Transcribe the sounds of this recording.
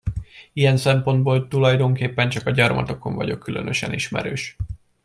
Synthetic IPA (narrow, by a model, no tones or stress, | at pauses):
ijɛnsɛmpo̞nd̪̚boːlt̪ulɒjd̪o̞ŋkeːpːɛnt͡ʃɒkɒɟɒrmɒ̰t̪o̞ko̞ɱvɒ̰ɟo̞kːylønøʃɛniʃmɛ̰ɾøːʃ